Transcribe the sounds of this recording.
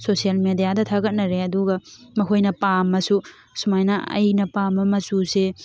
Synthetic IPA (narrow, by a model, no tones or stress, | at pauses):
sosijalmedijadɐtʰaɡɐt̚nɐɾeɐduɡɐ | mɐkʰojnɐpamːɐsu | sumajnɐɐ̰jnɐpamːɐmɐsuse